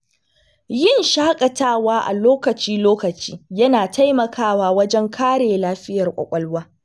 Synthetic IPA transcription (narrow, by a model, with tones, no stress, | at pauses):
jɪ˦˨nʃaː˦kʼɐ˨taː˦waː˦ʔa̰˨loː˦kɐ˨t͡ʃiː˦loː˦kɐ˨t͡ʃḭː˦jɐ˦naː˨tʰa˦jmɐ˨kʰaː˦˨waː˦wɐ˦d͡ʒɛ˦ŋkʰaː˦ɽeː˨laː˦ɸɪ˦jɐ˨rkʷʼɐ̰˨kʷʼɐ˦lwaː˦